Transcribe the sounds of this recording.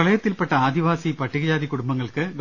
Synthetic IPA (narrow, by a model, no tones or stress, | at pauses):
ɐɭɐjɐt̪ːilpeʈːɐaːd̪iʋaːsipɐʈːiɣɐd͡ʑaːd̪ikuɽumbɐŋːɐɭkɨɡ